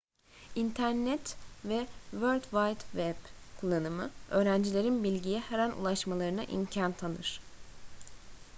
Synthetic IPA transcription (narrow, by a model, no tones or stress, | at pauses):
int̪ʰæɾnɛt̪vɛvøɾʲt̪vajt̪vɛb̥kʰulˠːanɯmɯø̞ːɾænd͡ʒilʲe̞ɾinbilʲɟijɛheɾænṵlˠaʃmalˠaɾɯna̰ʔḭmcʰant̪ʰanɯɾ̥